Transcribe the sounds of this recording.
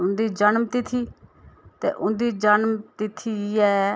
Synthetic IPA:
ʊnd̪iːd͡ʒənmt̪ɪt̪ʰiːt̪ḛːʔʊnd̪iːd͡ʒənmt̪ɪt̪ʰiːɛː

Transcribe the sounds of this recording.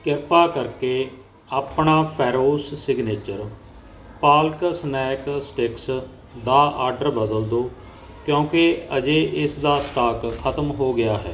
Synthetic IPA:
kɪɾpaːkəɾkeː | aːpnaːpʰɛːɾoːsːɪɡneːt͡ʃəɾ | paːlksnɛːksʈɪks | d̪aːʔaːɾɖəɾbəd̪əld̪oː | kjõːkeəd͡ʒeːʔɪsd̪aːsʈaːkkʰət̪əmɦoːɡɪjaːɦɛ̰ː

